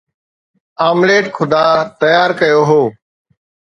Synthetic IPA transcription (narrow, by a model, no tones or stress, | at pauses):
aːmleːʈkʰʊd̪aːt̪əjaːɾkəjoːɦoː